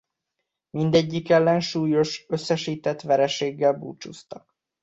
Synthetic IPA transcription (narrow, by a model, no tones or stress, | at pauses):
mind̪ɛɟːikɛlːɛnʃuːjo̞ʃøsːɛʃiːt̪ɛt̪ʋɛɾɛʃeːɡːɛlbṵːt͡ʃust̪ɒk